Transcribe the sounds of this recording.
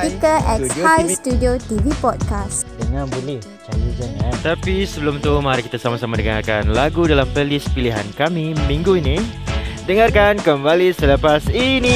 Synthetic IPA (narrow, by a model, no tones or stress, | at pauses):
spikəʔɛthajstudiotivipɔt̚kasdəŋãnbəlɛh | t͡ʃajudənat̪apisəbəlʊmt̪umaɾakit̪asamasamadəŋa̰rkanlaɡudalampəlispiliɦa̰nkamimĩŋɡuini | dəŋarkankəmbalisələpasini